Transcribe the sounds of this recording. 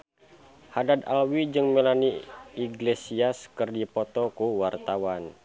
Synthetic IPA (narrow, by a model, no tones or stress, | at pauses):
hadad̪alwid͡ʒɨŋmɛlaniiɡlesiaskɨrdipɔt̪ɔkuwart̪awan